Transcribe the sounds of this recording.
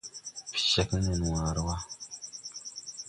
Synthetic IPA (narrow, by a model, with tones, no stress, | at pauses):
pi̥˨ʃa˦knə˨n˨wa˨ɾwa˦